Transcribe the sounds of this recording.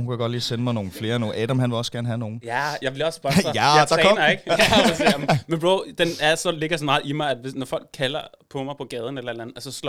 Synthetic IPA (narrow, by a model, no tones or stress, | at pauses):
hunkʰæɡ̥ɒ̽d̥liːsenəmɑ̈ɪno̝ːn̩fle̝ːɐno̝ːnʔɛːdɐmɦænʋe̝lɒ̽sɡ̥æɐn̩əɦæno̝ːn̩jæjɑɪʋlɒsb̥ɶɐjæadɑnɐeɡ̥ɒsemmenb̥ʁod̥enæɐsɒ̽le̝ɡ̥ɐsɒmɑ̈ːð̩ˠimɑ̈ɪæd̥ʋe̝snɒfɒ̽l̰ɡ̥̚kʰːælɐpʰɒ̽mɑ̈ɪpʰɒ̽ɡ̥ɛːð̞ˠn̩elɐe̝d̥lænð̩ˠʔæsɒsl